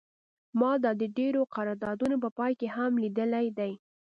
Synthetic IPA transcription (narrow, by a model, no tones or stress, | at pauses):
mɑd̪ɑd̪əɖeɾoqaɾɑɾd̪ɑd̪unop̬əpɑjkehamlid̪əlajd̪aj